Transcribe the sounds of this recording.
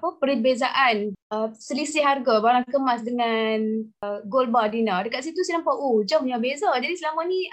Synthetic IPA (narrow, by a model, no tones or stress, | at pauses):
apəpəɾibezaʔanʔəsəlisiɦarɡabaɾaŋkəmasdəŋanɡolbadinadəkat̪̚s̬it̪usinãmpaʔod͡ʒəmuɲabezad͡ʒadislamanĩ